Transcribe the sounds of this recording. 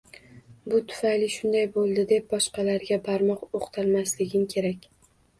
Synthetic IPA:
bʊt̪ʰʊ̥fajlɪʃʊnd̪ajbolˠd̪ɪd̪e̞p̚bɒʃqɑlaɾɡʲabaɾmɒqoqt̪ʰalmaslɪɡʲɪmkʲʰe̞ɾakʲ

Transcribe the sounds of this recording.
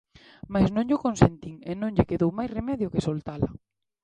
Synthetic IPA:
majznõŋʎʊkonsent̪iŋenõŋʎɪkeðowmajsremɛðjʊkɪsolt̪alɐ̰

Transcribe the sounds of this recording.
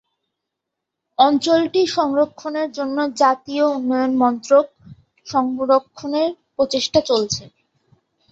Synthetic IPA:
ɔnt͡ɕolʈiʃɔŋɾokʰːoneɾd͡ʑonːod͡ʑat̪iounːɔjonmɔnt̪ɾok̚ | ʃɔŋɾokʰːoneɾpɾot͡ɕeʃʈat͡ɕolt͡ɕʰe

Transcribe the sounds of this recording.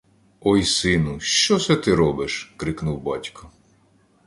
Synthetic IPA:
ɔjsɪnʊʃt͡ʃɔsɛt̪ɪɾɔbɪʃkɾɪknuwbɑtʲkɔ

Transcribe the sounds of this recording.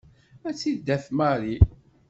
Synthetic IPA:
æt͡sːid̪ːæθmaɾi

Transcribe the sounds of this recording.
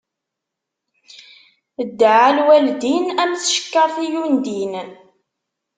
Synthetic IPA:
əd̪ːəʕalwæld̪inæmθʃə̥kːəɾˤθijund̪in

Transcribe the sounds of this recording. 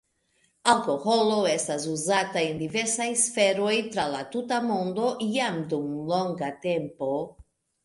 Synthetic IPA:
alkoxoloest̪azuzat̪aend̪iveɾsajsfeɾojt̪ɾalat̪ut̪amond̪o̞jamd̪uŋloŋɡat̪empo

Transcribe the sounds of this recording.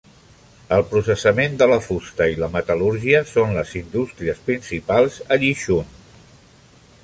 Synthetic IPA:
əlˠpɾusəsəmend̪ələfust̪əiləmət̪əluɾʒiəsonləzind̪ust̪ɾiəspɾinsipalˠzəʎiʃun

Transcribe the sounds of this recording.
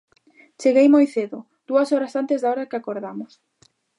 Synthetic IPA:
t͡ʃeɣejmojθeðʊ | d̪̥uɐsɔɾɐsant̪ɪzðaɔɾɐkɪakoɾðamʊs

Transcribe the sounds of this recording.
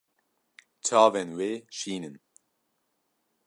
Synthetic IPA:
tʰɑːvɛnweːʃiːnən

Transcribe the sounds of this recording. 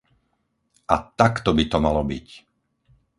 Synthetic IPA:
ʔat̪akt̪ɔbit̪ɔmalɔbic

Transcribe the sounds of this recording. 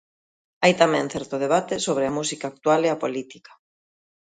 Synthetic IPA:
ajt̪amɛ̃ŋθɛɾt̪oð̞eβ̞at̪esoβ̞ɾeamusikaːk̚t̪waleapolit̪i̥kḁ

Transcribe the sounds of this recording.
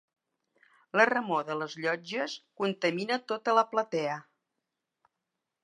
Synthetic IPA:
lərəmoðələzʎɔd͡ʒəskunt̪əminət̪ot̪ələplət̪ɛə

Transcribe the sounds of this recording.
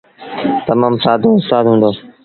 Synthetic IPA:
t̪ɐmãːmsaːd̪ʱoːʊst̪aːd̪ɦũːnd̪oː

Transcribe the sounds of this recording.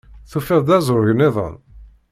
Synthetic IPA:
θufɪðˤd̪æzˤɾʊʝənːɪðˤə̰n

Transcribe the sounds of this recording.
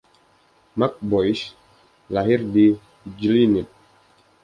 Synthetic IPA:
mak̚bɔjs | laɦɪrdi | d͡ʒlinit̪̚

